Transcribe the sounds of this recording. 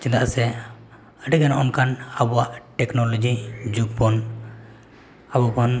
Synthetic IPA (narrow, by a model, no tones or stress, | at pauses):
t͡ʃĩd̪a̰ʔsɛ | əʈiɡanaʔɔnkanabɔwaʔʈɛknɔlɔd͡ʒid͡ʒuɡ̚pɔn | abupɔn